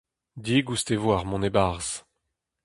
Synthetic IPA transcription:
d̪iɡust̪evwaʁmɔ̃nebaʁz̥

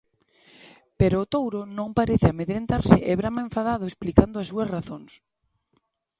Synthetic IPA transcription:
peɾoːt̪owɾonõŋpaɾeθɪameðɾent̪aɾsɪʔɛβɾamaẽɱfaðaðʊesplikand̪ʊasuɐsraθoŋs

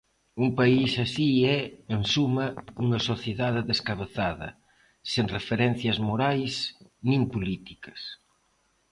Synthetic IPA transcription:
uŋpaisasiɛensumɐuŋɐsoθjeðaðeðeskaβeθaðɐ̰ | seŋrefeɾɛn̟θjɐzmoɾajsnĩmpulit̪ikɐ̥s

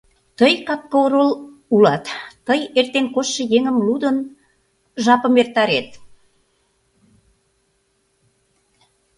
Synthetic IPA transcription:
t̪əjkɑp̚kooɾolulɑt̪ːəjert̪enkoʃːə̆jeŋəmlud̪ən | ʒɑpə̆mert̪ɑɾet̪̚

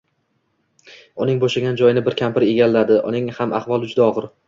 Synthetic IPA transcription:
ʊnɪŋboʃaɡʲand͡ʒɒjɪnɪbɪɾkʲʰampɪɾe̞ɡʲalːad̪ɪʔʊ̰nɪŋhama̰hvɒlˠɪd͡ʒʊd̪aɒʁɨɾ

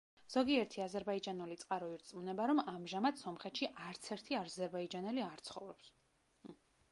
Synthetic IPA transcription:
z̥ɔɡiɛɾt̪ʰiazɛɾbaid͡ʒanulit̪sʼqʼaɾɔiɾt̪sʼmunɛbaɾɔmamʒamad̪sɔmχɛt̪ʃiʔaɾt̪sʰɛɾt̪ʰiaɾzɛɾbaid͡ʒanɛliaɾt̪sʰχɔ̰vɾɔps

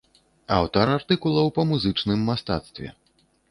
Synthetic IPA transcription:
awt̪aɾart̪ɨkulˠɐwpɐmuzɨt͡ʂnɨmːast̪a̰t̪st̪vʲɛ̰

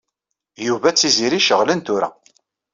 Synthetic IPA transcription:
juvæt͡sːiziɾiʃəʁlənt̪uɾæ̰

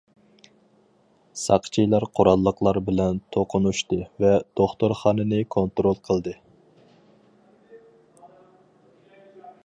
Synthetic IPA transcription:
sɑqt͡ʃʰijlˠɑɾqʰoɾɑlˠːəqlˠɑɾbɪlɛnt̪ʰoqʰʊnuʃt̪ɨvɛd̪̥oχt̪oɾχɑːnɨnɨkʰont̪ɾolˠqʰəlˠd̪ɨ

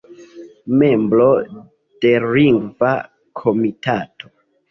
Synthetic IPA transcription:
memblo̞ | d̥e̞liŋɡva | kʰomitato

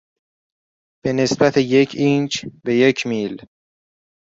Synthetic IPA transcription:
b̥e̞ne̞sbæt̪ʰejecʰiːnd͡ʒbe̞je̞cʰmiːl

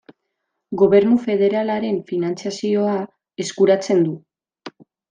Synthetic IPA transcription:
ɡo̞βe̞ɾnufe̞ð̞e̞ɾalaɾe̞ɱfinant͡sijasio̞a | e̞skuɾat͡se̞nd̪u

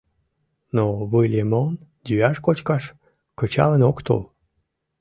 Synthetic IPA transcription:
noβɨlʲemon | d̪yɑʃkot͡ɕkɑʃ | kət͡ɕɑ̰lenokt̪o̰l

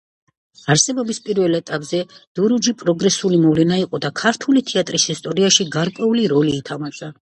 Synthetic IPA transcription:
aɾsɛbɔbispʼiɾvɛlɛt̪ʼapʼzɛd̪̥uɾud͡ʒipʼɾɔɡɾɛsulimɔvlɛnaiqʼɔd̪akʰaɾt̪ʰulit̪ʰiat̪ʼɾishist̪ʼɔɾiaʃiɡaɾkʼwɛuliɾɔliːt̪ʰamaza

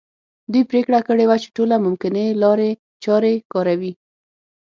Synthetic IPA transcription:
d̪ujpɾekɽakəɽewat͡ʃe̥ʈolamʊmkɪnelɑɾe | t͡ʃɑɾekɑɾawi

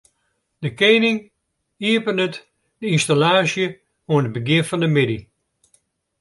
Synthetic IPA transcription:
d̥əkejnɪŋ | iəpənət | dəinstalaːsjə | oənət̚bəɡɪnfɑndəmɪdi

